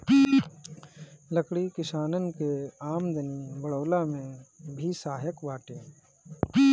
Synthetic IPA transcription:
ləkɽikɪsaːnənkeaːmd̪ənibəɽoːlamẽbʱisaːɦjəkʋaːʈẽː

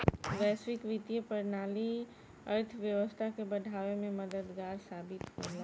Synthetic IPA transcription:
ʋɛːsʋɪkʋit̪ijəpəɾnaːli | əɾt̪ʰʋjəʋəst̪ʰakebəɖʱaːʋemẽməd̪əd̪ɡaːɾsaːbɪt̪kola

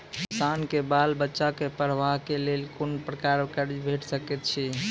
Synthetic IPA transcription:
kisankebalbətːʃakepɾəʋaɦkelelkonpɾəkaɾkəɾibʱeʈsəkɛt̪̚t͡ʃʰi

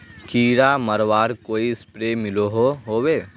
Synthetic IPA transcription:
kʰiːɾaːmɐɾʋaːɾkoːiɪspɾeːmɪloɦoɦoːweː

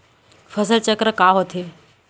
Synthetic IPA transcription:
fʰəsəlt͡ɕəkɾəkaːɦot̪ʰeː

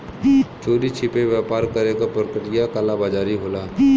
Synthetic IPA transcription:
t͡ʃʰoːɽit͡ʃʰɪpeʋjaːpaːɾkəɾeɡapɾəkəʈɪjakaːlabad͡ʒaːɾiɦoːlaː

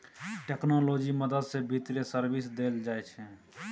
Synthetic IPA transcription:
ʈeknoloːd͡ʒiməd̪əd̪sẽbʱit̪ɾesəɾbisd̪eld͡ʒaɛt͡ʃʰɛ̃

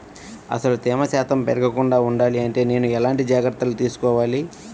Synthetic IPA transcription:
ɐ̰sɐlut̪iːmɐsaːt̪ɐmpɛɾɐɡɐkuɳɖaːuɳɖaːliɐɳʈe̞ːne̞ːnuɛlaːɳʈid͡ʒaːɡɾɐt̪ːɐlut̪iːsu̥kɔːʋaːli

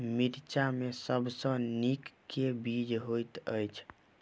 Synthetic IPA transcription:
miɾt͡ʃamesəbsə̃nikːebid͡ʒɦojt̪əjt͡ʃʰ

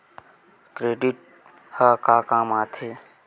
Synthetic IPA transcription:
kɾeːɖiʈ̚ | həkaːkaːmaːt̪ʰeː

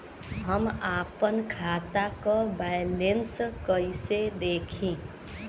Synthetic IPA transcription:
ɦəmapənkʰat̪akɔbajlenskəɪsed̪ekʰĩ

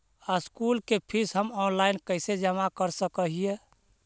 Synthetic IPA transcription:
askulkepʰisɦəmɔnlaɪnkəɪsed͡ʒəmakəɾsəkəɦije

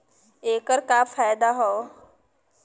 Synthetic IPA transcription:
eːkəɾkaːfaːɪd̪aɦoː

